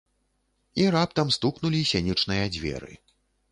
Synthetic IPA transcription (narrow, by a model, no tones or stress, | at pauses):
iɾap̚t̪ɐmst̪uknulʲisʲanʲit͡ʂnɨjɐd͡zʲvʲɛ̰ɾɨ̰